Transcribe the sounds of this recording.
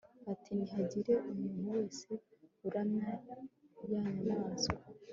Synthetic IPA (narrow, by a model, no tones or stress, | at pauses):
atʰiniɦaɟiɾe̞ʔumuːn̥huwe̞ːse̞uɾamɲa | βjaːanaːzɡaa